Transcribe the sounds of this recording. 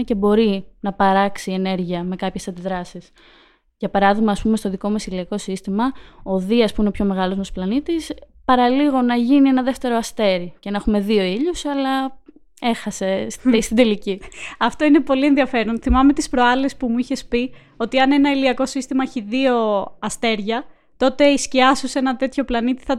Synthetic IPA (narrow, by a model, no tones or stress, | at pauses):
ce̞bo̞ɾinɐpɐɾɐksie̞ne̞ɾʝiɐme̞kɐpçe̞sɐnd̪iðɾɐsis | ʝɐpɐɾɐðiɣmɐːspumest̪o̞ðiko̞mɐsiliɐko̞sist̪imɐo̞ðiɐspuinepço̞me̞ɣɐlo̞zmɐsplɐnit̪is | pɐɾɐliɣo̞nɐʝinie̞nɐðe̞ft̪e̞ɾoɐst̪e̞ɾice̞nɐxume̞ðio̞iʎusɐlɐ | e̞xɐse̞sst̪id̪e̞liciɐft̪o̞ine̞po̞lie̞nðiɐfe̞ɾonθimɐme̞t̪ispɾoɐle̞spumuiçe̞spi | o̞t̪iɐne̞nɐiliɐko̞sist̪imɐeçiðio̞ɐst̪e̞ɾʝɐ | t̪o̞t̪e̞isciɐsuse̞nɐt̪e̞t̪ço̞plɐnit̪i̥θɐ